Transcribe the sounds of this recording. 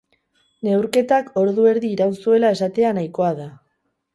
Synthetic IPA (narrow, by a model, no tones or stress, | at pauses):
ne̞wɾke̞t̪ako̞ɾðue̞ɾðiːɾawnsue̞lae̞sat̪e̞anajko̞aða